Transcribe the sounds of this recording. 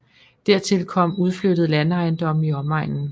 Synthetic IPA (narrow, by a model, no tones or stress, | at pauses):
d̥æɐ̰t͡sʰe̝lkʰɒ̽m̰uð̞ˠflød̥ð̞̩ˠlænɑ̈ɪnd̥ɒ̽m̰iɒmɑ̈ɪ̰nn̩